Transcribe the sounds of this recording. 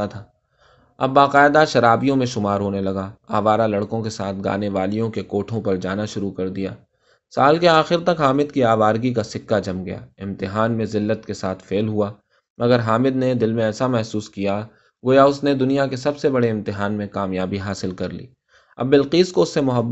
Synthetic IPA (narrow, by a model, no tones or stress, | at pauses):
at̪ʰaː | ɐbːaːqaːɪd̪aʃɐɾaːbijõmẽʃʊmaːɾɦoːnelɐɡaaːʋaːɾalɐɽkõkesaːt̪ʰɡa̰ːneʋaːlijõkekoːʈʰõpɐɾd͡ʒa̰ːnaʃʊɾukɐɾd̪ija̰ː | saːlkeaːxɪɾt̪ɐkɦaːmɪd̪kiaːʋaːɾɡik̬asɪkːad͡ʒɐmɡɐja̰ːɪ̃mt̪ɪɦaːnmẽzɪlːət̪kesaːt̪ʰfeːlɦuaː | mɐɡəɾɦaːmɪd̪ned̪ɪlmẽɛːsamɛɦsuːskija | ɡoːjaʊsned̪ʊnijakesɐbsebɐɽeɪ̃mt̪ɪɦaːnmẽkaːmjaːbiɦaːsɪlkɐɾlḭː | ɐ̰bːɪlqiːskoʊsːemʊɦɐbː